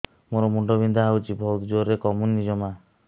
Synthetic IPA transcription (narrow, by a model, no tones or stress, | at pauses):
moɾɔmuɳɖɔbind̪ʱaɦawt͡ʃʰibʱɔlt̪d͡ʒoɾekɔmunːid͡ʒɔma